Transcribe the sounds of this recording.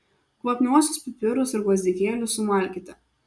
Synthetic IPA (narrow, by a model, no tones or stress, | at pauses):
klˠopʲnʲuɔsʲʊspʲɪpʲɪɾʊsɪɾkʋˠɐzʲd̪ʲɪkʲeːlʲʊsʊmɐˑlʲkʲɪt̪ʲɪ